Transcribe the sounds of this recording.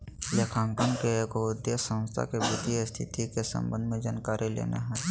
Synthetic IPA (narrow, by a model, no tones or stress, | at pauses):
leːkʰaːŋkənkeːkoʊd̪jesə̃wst̪ʰa̰kebʊd̪ʱist̪ʰɪt̪ikesə̰̃mbə̃nd̪ʱmẽd͡ʒaːnkaːɾʔilḛːnḛɦɛː